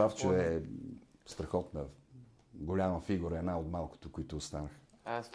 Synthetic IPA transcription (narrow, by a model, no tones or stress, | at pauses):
aft͡ʃoɛ | st̪ɾɐxɔt̪nɐ | ɡolʲaməfiɡuɾəɛd̪naot̪malˠkʊ̥t̪okoit̪ʊːst̪anəx